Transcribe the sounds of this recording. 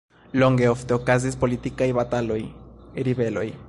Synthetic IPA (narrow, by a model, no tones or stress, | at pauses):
lo̞ŋɡe̞o̞fte̞okazis̬po̞litikajbat̪alo̞jɾibe̞lo̞̰j